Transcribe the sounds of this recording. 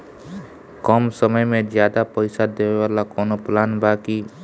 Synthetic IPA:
kɔːmsəməjmẽd͡ʒjaːd̪apəɪsad̪eːʋeʋaːlakɔːnoplaːnbaːki

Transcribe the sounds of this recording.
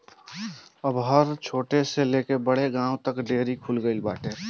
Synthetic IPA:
əbɦəɾt͡ʃʰoːʈeseleːkebəɽeɡãːwt̪əkɖeːɾikʰulɡəɪlbaːʈeː

